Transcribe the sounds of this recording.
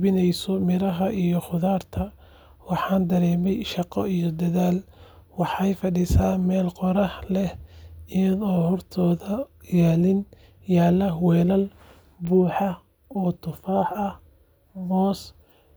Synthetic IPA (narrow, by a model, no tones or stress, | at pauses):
bɪnɛjsɔmɪɾɐɦɐʔijɔχʊðaːrt̪ʰɐ | wɑħɑːnd̪ɐɾɛːmɛjʃɑqɔ̰ijɔd̪ɐðaːlwɑħɑjfɐɖisaːmɛːlqɔɾɐhlɛhɪjɐðɔːhɔrt̪ʰɔːðɐjaːlɪn | jaːlɐhwɛːlɐl | buːħɑ | ɔːt̪ʰʊfaːħɐh | mɔːs